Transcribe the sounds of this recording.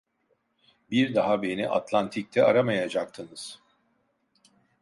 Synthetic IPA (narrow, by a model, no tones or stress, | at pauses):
biɾd̪aɦabe̞niʔa̰t̪lˠant̪ʰic̚t̪ʰɛaɾamajad͡ʒak̚t̪ʰɯnɯz̥